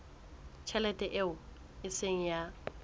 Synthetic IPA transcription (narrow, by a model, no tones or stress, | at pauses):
t͡ʃʰɛlɛtʼɛʔeʊ | ɪseŋ̩ja